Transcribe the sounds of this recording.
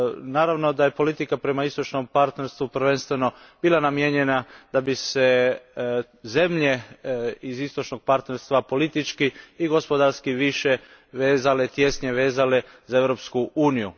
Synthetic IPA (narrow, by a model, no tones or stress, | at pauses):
naːɾaʋno̞d̪aje̞po̞lit̪ikapɾe̞maist̪o̞t͡ʃno̞mpaɾt̪neɾst̪ʋupɾ̩ʋe̞nst̪ʋe̞no̞b̥iːlˠanamjeɲe̞nad̪̥abise | ze̞mʎe̞ | izist̪o̞t͡ʃno̞ɡ̥̚paɾt̪neɾst̪ʋapo̞lit̪it͡ʃkiiɡo̞spo̞d̪aɾskiʋiʃe | ʋeːzalet̪je̞sɲeʋe̞ːzale | zae̞ʋɾopskuuːniju